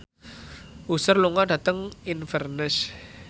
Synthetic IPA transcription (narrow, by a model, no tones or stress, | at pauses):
usərluŋɔɖä̤t̪əŋinfərnəs